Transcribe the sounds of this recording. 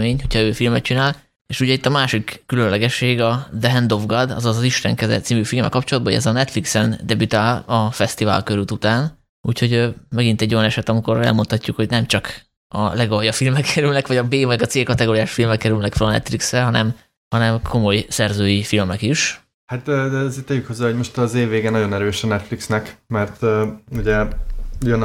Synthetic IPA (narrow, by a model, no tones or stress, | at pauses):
meːɲho̞cʰhɒøːfilmɛt̪t͡ʃinaːl | eʃuɟɛit̪ːɒmaːʃikːylønlɛɡɛʃːeːɡɒd̪ɛɦɛnd̪ovɡɒd̪ɒ̰zɒzɒziʃt̪ɛŋkɛzɛ̰t̪simyfilmɛ̰lkɒpt͡ʃolɒd̪̚bɒo̰ɟɛ̰zɒnɛt̪fliksɛnd̪ɛbyt̪aːlɒfɛst̪iva̰ːlkøɾyt̪ut̪aːn | uːcho̞ɟømɛɡint̪ɛɟːojɒnɛʃɛt̪ɒmiko̞rɛ̰lmo̞nt̪hɒcːukho̞ɟnɛmt͡ʃɒk | ɒ̰lɛɡojɒfilmɛkʰːɛɾylnɛkʋɒɟɒbeːvɒɡɒt̪seːlkɒt̪ɛɡoːɾijaːʃfilmɛkːɛɾylnɛkfølɒnɛ̰t̪fliksrɛɦɒnɛm | hɒnɛmkʰo̞mo̞jsɛrzøːjifilmɛkiʃ | hat̪ːd̪ɛɛzet̪ɛjykʰhozːaːɦo̞ɟmo̞ʃt̪ɒzeːvːeːɡenːɒɟo̞nɛɾøːʃɛnɛt̪fliksnɛkmɛrt̪ːuɟɛjøn